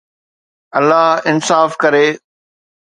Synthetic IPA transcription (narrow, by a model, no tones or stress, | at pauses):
ɐlːaɦɪnsaːfkɐɾeː